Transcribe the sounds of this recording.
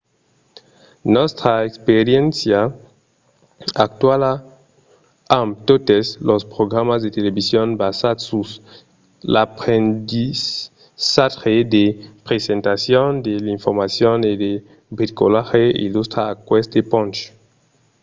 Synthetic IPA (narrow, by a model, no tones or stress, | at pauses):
nɔst̪ɾaekspeɾjẽnsja | ak̚t̪wala | amt̪ot̪eslospɾoɡɾamazd̪et̪elebisjonbasadsus | lapʁendi | saʁed̪epɾesent̪asjond̪eliɱfoɾmasjoned̪e | bit̪ikolaxeḭlust̪ɾaːkwest̪epɔ̃nt͡ʃ